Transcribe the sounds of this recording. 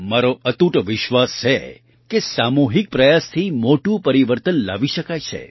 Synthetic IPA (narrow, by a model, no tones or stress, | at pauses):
maɾoət̪uʈʋɪʃʋast͡ʃʰe | kesamuɦik̚pɾəjast̪ʰimoʈũpəɾiʋəɾt̪ənla̰ʋiʃəkajt͡ʃʰḛ